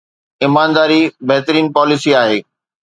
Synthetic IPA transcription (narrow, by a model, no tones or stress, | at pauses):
ɪmaːnd̪aːɾibɛɦt̪əɾiːnpɔːlɪsiaːɦeː